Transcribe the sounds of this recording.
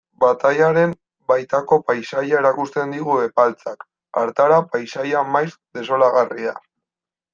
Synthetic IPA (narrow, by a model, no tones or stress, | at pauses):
bat̪ajaɾe̞m | bajt̪ako̞pajsajae̞ɾakust̪e̞nd̪iɣue̞palt͡sak | a̰ɾt̪aɾapajsajamajsd̪e̞so̞laɣaria